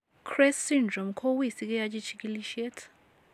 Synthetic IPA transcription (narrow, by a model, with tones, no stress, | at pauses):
kʰrɛsːindrɔ˨mkʰɔ˦wi˦˨si˦k̬ʼɛ˦jat͡ʃʼi˦t͡ʃʰi˦k̬ʼi˦li˦ʃɛ˦tʰ